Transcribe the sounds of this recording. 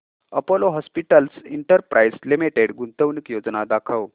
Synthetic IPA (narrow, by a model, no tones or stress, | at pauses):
əpoloɦɔspiʈəlsiɳʈəɾpɾʔajslimiʈeɽɡunt̪əwnikjod͡znad̪akʰəw